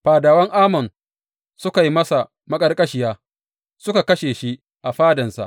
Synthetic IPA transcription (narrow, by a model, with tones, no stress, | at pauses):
ɸaː˨daː˨wɐ˦ŋʔaː˦mɐ˨n | sʊ˦ka˨ji˦mɐ˦sa˨ | mɐ˦kʼɐ˦rkʼɐ˦ʃɪ˨jaː˦ | sʊ˦ka˨kɐ˦ʃeː˨ʃi˦ | ʔa˨ɸaː˦dɐ˨nsa̰˨ʔ